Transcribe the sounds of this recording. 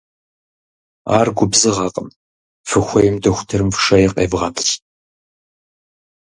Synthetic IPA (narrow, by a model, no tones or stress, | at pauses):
a̰ːrɡʷʊbzɨʁɑːqʼəm | fɨxʷɐjɪmdɐxʷʊ̥tʰɨrɨmfʂɐjɛqʼḛːvʁɐtʰɕ